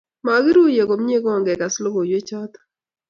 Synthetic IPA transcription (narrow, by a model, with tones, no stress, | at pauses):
ma˨˦ɡɪ˦ɾu˦je˨ko˨mɲe˦ɡɔ˦˨ŋɡɛ˨ka˨slo˦ɡo˨jwe˦t͡ʃɔ˦t̪